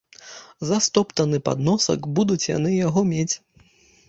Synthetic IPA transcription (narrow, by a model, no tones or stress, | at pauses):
zɐst̪ɔpt̪ɐnɨpa̰d̪nɔsɐ̰kbud̪ut͡sʲja̰n̪ɨjaɣɔmʲet͡sʲ